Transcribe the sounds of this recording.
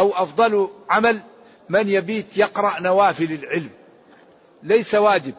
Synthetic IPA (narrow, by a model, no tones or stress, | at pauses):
ʔawʔɑfd̪ˤɑlʕamal | manjabiːt̪jɑqɾˤɑʔnawaːfɪlɪlʕɪlm | lajsawaːd͡ʒɪb̚